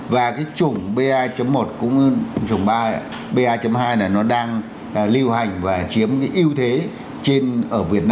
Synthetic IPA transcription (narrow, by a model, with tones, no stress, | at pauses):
vaː˨˩kaː˨˦jt͡ɕʊ˨˩ŋ͡mɓe˧ʔaː˧t͡ɕə˨˦mːo˨˩t̚kʊ̰˧˥ŋ͡mt͡ɕʊ˨˩ŋ͡mɓaː˧ | ɓe˧ʔaː˧t͡ɕə˨˦mɦaː˧jlaː˨˩nɔ˨˦ɗaː˧ŋ˨˩ | li˧wha˨˩jŋ̟vaː˨˩t͡ɕi˨˦əmkaː˨˦jʔi˧əwt̪ʰe˨˦ | t͡ɕe˧nʔəː˧˩vi˨˩ət̚naː˧